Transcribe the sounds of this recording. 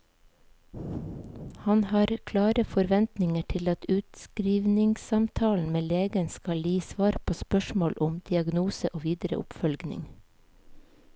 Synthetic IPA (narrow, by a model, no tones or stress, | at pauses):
hɑnhɑːɾkʰlɑːɾəfɔɾʋɛnt̪nɪŋəʈʰɪlɑt̪ʉːt̪skɾiːʋnɪŋsɑmt̪ʰɑːln̩meːleːɡənskɑljiːsʋɑːɾpʰoːspœʃmoːlʔʊmd̪̥ɪɑɡnuːsəʔoːʋiːd̪əɾə̰ʔʊ̰pfœlɡnɪ̰ŋ